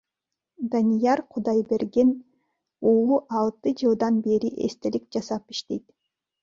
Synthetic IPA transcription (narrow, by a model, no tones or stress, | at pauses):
d̪anijɑɾqʰud̪ɑjbe̞ɾɡe̞n | ulˠuʔɑlˠt̪ɯd͡ʒɯlˠd̪ɑnbe̞ɾiʔḛst̪elik̚d͡ʒɑsɑpiʃt̪e̞jt̪